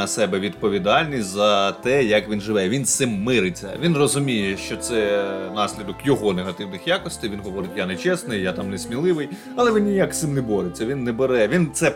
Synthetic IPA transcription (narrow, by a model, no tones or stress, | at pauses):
ɐsɛbɛʋʲid̪pɔʋʲid̪ɑlʲnʲisʲzɐt̪ɛjɐkʋʲinʒɪʋɛʋʲinsɪmːɪɾɪt͡sʲːɐ̰ʋʲinrɔzʊmʲijɛʃt͡ʃɔt̪sɛnɑsʲlʲid̪ɔkjɔɦɔneɦɐt̪ɪwnɪxjakɔsʲt̪ɪjʋʲinɦɔʋɔɾɪtʲjanɛt͡ʃɛsnɪjjat̪ɑmnɛsʲmʲilˠɪʋɪj | ɐlˠɛʋʲinʲːijaksɪmnɛbɔɾɪt͡sʲːɐʋʲinːɛbeɾɛʋʲint̪sɛ